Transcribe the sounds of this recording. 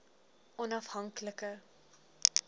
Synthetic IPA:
ʔɔnɐfɦɐŋkləkə

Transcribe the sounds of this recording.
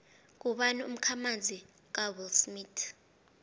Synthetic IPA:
k̬ʼuɓanɛum̩kʰamand͡zʱi | k̬ʼabulsmitʰ

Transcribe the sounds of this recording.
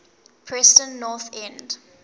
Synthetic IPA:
pʰɹɛstə̃nnɔθɛ̃nd

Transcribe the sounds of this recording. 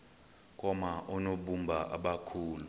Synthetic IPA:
k̬ʼɔmaɔnoɓumbʱaʔa̰ɓakʰuːlu

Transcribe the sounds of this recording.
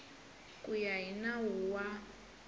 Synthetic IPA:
kʼujaɦinawuwa

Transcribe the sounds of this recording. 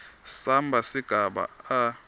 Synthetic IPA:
sambʱasiɡ̥ʱaɓa̰a

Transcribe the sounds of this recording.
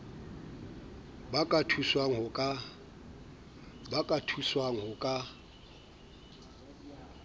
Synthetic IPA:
bakʼatʰuswaŋ̩ɦʊkʼa | bakʼatʰuswaŋ̩ɦʊkʼa

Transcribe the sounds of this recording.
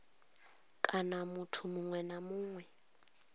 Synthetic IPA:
kʼanamutʰumuŋwɛnamuːŋwɛ

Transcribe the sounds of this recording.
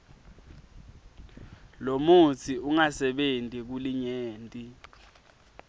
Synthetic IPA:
lomut͡sʰiuŋasɛɓentʼik̬uliɲeːntʼi

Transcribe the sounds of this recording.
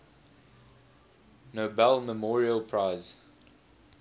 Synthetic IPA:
nobɛlməmɔːɹiəlˠpʰɹaɪz

